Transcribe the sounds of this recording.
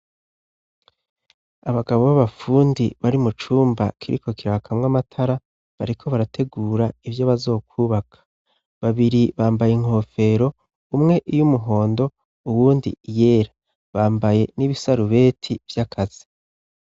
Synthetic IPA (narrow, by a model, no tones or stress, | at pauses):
aβaɡaβo̞βaβafuːndiβaɾimut͡ʃuːmba̰kʰiɾʔḭko̞kiɾakʰamŋamatʰaɾa | βaɾikʰo̞βaɾatʰe̞ɡuːɾaivjo̞βazo̞ːkʰuβakʰḁ | βaβiɾiβaːmbajeŋ̥ho̞fe̞ɾo̞ | umŋe̞ʔijumuɦo̞ːndo̞ | uwuːndḭje̞ːɾa | βaːmbaje̞niβisaɾuβe̞ːtʰiv̥jakʰaz̥i̥